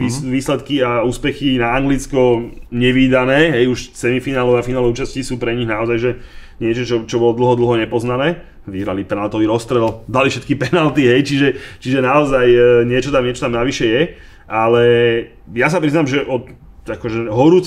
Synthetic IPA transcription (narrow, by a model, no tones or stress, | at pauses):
iʋiːslɛt̪kiauːspɛxinaːŋɡlit͡skɔɲɛʋiːd̪anɛːɦɛjuʃt͡sɛmifinaːlɔʊafinaːlɛuːt͡ʃasciːsuːpɾɛɲiɣnaɔzajʒɛɲɪɛt͡ʃɔt͡ʃɔt͡ʃɔbɔlɔd̪l̩ˠɦɔd̪l̩ɦɔɲɛpɔznanɛː | ʋiɦɾalipɛnalt̪ɔʋiɾɔst̪ɾɛld̪alifʃɛt̪̚kipɛnalt̪iɦɛjt͡ʃiʒɛt͡ʃiʒɛnaɔzajɲɪɛt͡ʃɔt̪amɲɛt͡ʃɔ̥t̪amnaʋiʃɛjɛ | ʔalɛ | jas̬apɾiznamʒɛʔɔt̪ | akɔʒɛɦɔɾuːt͡s